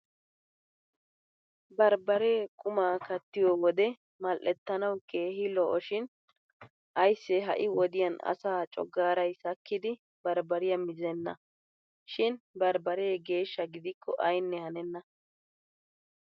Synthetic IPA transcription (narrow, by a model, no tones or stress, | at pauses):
bɐɾbɐɾe̞ːkʼʊmaːkɐt̪ːɪjɔwɔd̪ɛ | mɐlʔɛt̪ːɐnɐwke̞ːhɪlɔʔɔʃɪn | ʔɐjsːɛɦɐ̰ʔɪwɔd̪ɪjɐnɐ̰saːt͡ʃʼɔ̰ɡːaːɾɐjsɐkːɪd̪ɪ | bɐɾbɐɾɪjɐmɪzɛnːɐ | ʃɪnbɐɾbɐɾeːɡe̞ːʃːɐɡɪd̪ɪkʰːɔʔɐjnːɛhɐnɛnːɐ